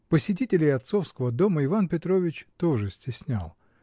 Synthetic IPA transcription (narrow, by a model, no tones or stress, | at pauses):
pəsʲɪt̬ʲitʲɪlʲɪjɐt̪so̞fskəvəd̪o̞məɪvanpʲɪt̪ɾo̞vʲɪt͡ɕt̪oʐɨsʲtʲɪsʲnʲa̰lˠ